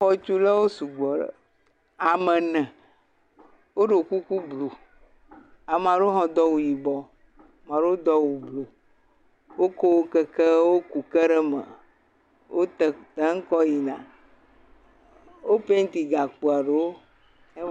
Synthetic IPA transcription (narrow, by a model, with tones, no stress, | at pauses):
ɔ˦t͡ʃu˦la˦wo˦su˨ɡ͡bɔ˨ɖə̰˨ | a˨mɛ̃˨nɛ̃˨ | wo˦ɖo˨ku˦ku˦blo˨ | a˨m˨ã˨ɖo˦o˦ɦɔ̃˨d̪ɔ˦wu˨ji˨bɔ˨ | m˨ã˨ɖe˦o˦d̪ɔ˦wu˨blo˨ | wo˦ko˦wo˦kə˦kə˦wo˦ku˨kə˦ɖə˦mə̰̃˨ | wʔo˦t̪ə˨t̪ə˦ŋ̩˦kɔ˦ji˨nã̰˨ | wo˦pe˦ŋ̩˦t̪i˨ɡa˨k͡pu˨a˨ɖe˨wo˦ | e˦